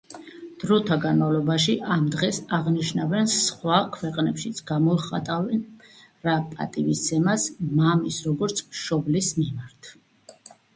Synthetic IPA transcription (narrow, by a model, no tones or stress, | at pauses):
d̪̥ɾɔt̪ʰaɡanmavlˠɔbaʃiʔamd̪ʁɛsaʁniʃnavɛnsχwakʰwɛqʼnɛpʃit̪sʰɡ̥amɔlχa̰t̪ʼavɛn | ɾapʼa̰t̪ʼivisd̪ɛmasmamisɾɔɡɔɾt̪sʰʃɔblismimaɾt̪ʰ